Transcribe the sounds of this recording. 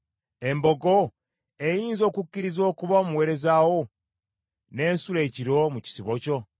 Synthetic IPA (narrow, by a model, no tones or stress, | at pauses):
e̞mbo̞ɡo̞ | e̞jiːnzo̞ːkukːiɾizo̞ːkuβaomuwe̞ːɾe̞zawo̞ | ne̞ːnsule̞ːciɾo̞muci̥siβo̞co̞